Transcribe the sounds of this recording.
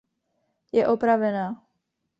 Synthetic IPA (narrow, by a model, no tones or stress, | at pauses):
jɛʔopɾavɛnaː